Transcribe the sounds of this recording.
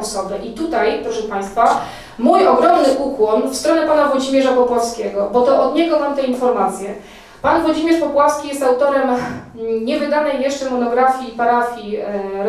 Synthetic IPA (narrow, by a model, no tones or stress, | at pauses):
ɔsɔbɛʔit̪ut̪ajpɾɔʂɛpaj̃st̪fa | mujɔɡɾɔmnɘʔukwɔnfst̪ɾɔnɛpanavwɔd͡ʑimʲjɛʐapɔpwafskʲɛɡɔbɔt̪ɔʔɔd̪ɲɛɡɔmamt̪ɛinfɔɾmat̪sʲjɛ | panvwɔd͡ʑimʲjɛʂpɔpwafskʲijɛst̪awt̪ɔɾɛm | ɲɛvɘd̪anɛjːɛʂt͡ʂɛmɔnɔɡɾafʲjipaɾafʲjiɾ